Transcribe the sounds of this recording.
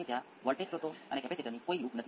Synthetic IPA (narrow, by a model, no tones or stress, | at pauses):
et̪ja | ʋəɭʈetɾot̪oənekɛpet̪ʰet̪ənikoiuknət̪ʰ